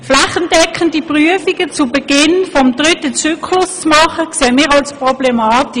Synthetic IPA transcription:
flaχənd̥ɛkʰːəndipʁyəfiɡ̥ət͡subɛɡɪnfɔmtʁʏtət͡syːkʰlʊst͡smɑχəkseːmiːʁalspʁɔblɛmɑːti

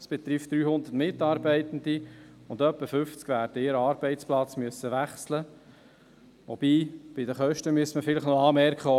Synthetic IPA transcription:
sb̥ɛt̪ɾift̪̚d̥̪ɾyːhʊnd̪ətmɪtːɑːɾbɛɪt̪n̩d̪iʊnd̪œpːəfʏft͡skʋæːɾd̥əɪɾəɑːɾb̥ɛɪt͡splɑt͡smyəsːəʋæχslə | ʋob̥iːb̥ɪdəχœʃtəmyəstməfɪləχnɔɑːmɛrkχə

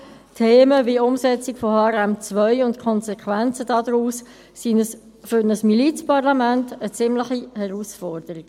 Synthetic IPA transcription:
tʰeːməviʊmsɛt͡sɪkfohɑːɾæmt͡sʋœʏʊntkʰχɔnsɛkʰʋænt͡səd̥ɑːd̪ɾuːs | sinəs | fʏɾnəsmilit͡spɑʁlɑmæntət͡sɪmləχihɛʁuːsfɔɾd̥əɾiɡ̥

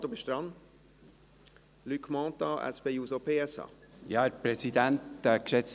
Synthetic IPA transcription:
d̪obiʃt̪ɾɑn | lykʰmɑ̃ːt̪ɑɛ̰sbejuzopʰeːɛsɑ̰jɑɛɾpɾɛsid̪æntɛkʃɛt͡s

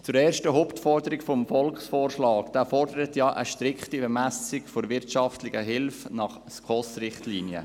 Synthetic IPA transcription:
t͡sʊɾɛːɾʃtəɦoʊptfɔrdəɾɪkfɔmfɔlkχsfoːɾʃlɑːkd̥æːfɔrd̥əɾətjɑʔəʃtɾɪkχtibɛmæsɪɡfoɾʋɪɾtʃɑftlɪɡəɦɪlfnɑχ | skʰɔsrɪχtliːnjə̰

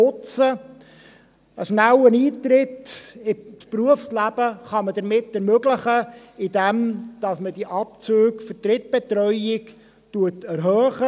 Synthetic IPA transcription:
ʊt͡sə | əʃnæwəniːt̪ɾɪtɪspruəfslæb̥əχɑmədəɾmɪtːɛɾmøɡləχə | ɪdɛmd̥ɑsməd̥iʔɑp̚t͡søːkfətɾɪt̚b̥ɛtɾœʏɪk | tuətɛɾɦœːχə

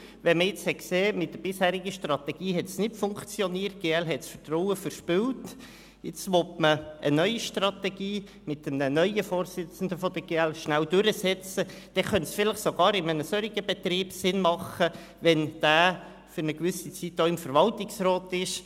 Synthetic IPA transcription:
ʋɛməɪt͡shɛkseːmɪt̚d̥əɾb̥ɪshæːɾiɡəʃtrɑt̪ɛɡ̥iːɦɛtsnɪtfʊŋkt͡sjɔniːərt̚ɡ̥eːɛlɦɛtsfətrɔwəfəɾʃpɪlt | ɪt͡sʋɔtməʔənœʏiʃtrɑt̪ɛɡ̥iː | mɪt̚dəmnənœʏəfoːɾsɪt͡sn̩d̪əfɔd̥̪əɡeːɛlʃnæwd̥ʏɾəsɛt͡sə | d̥ɛχœntsfɪləχsoɡ̥ɑːɾɪmənəsøɾiɡəbɛt̪riːbsɪnmɑχə | ʋɛnd̥æː | fʏɾnəkʋʏsit͡sitːoɪmfəɾʋɑltɪksrɔːtɪʃ

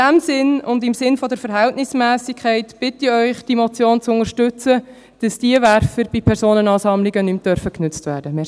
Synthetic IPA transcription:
æmsɪnʊndɪmsɪnfɔdəɾfəɾɦɛltnɪsmæːsɪkʰχɛɪtb̥ɪtiœʏχd̥imɔt͡sjoːnt͡sʊnəɾʃtʉt͡sə | d̥ɑsd̥iəvæɾfəɾb̥ipʰɛɾsoːnənɑːsɑmlɪɡənymd̥œɾfəknʉt͡stvæːɾd̥əmɪ

